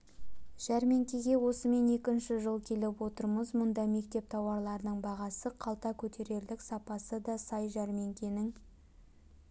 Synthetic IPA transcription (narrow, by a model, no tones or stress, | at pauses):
ʒ̥æɾme̞ŋkʲeɡʲe̞wo̞səme̞ne̞kʲɪnʃɪʒəlˠkʲʰe̞lepwo̞t̪əɾməzmʊnd̪ɑme̞kt̪e̞p̚t̪ʰɑwɑɾlˠɑɾənəɴbɑʁɑsəqʰɑlˠt̪ɑkʲʰɵt̪ʰe̞ɾe̞ɾlɪksɑpɑsəd̪ɑsɑjʒæɾme̞ŋkʲʰe̞nɪŋ